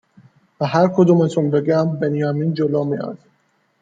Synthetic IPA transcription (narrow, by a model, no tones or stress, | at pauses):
væɦæɾkʰod̪uːmet̪ʰunbeɡʲæmbenjɒmiːnd͡ʒolɔːmiɒ̰d̪̥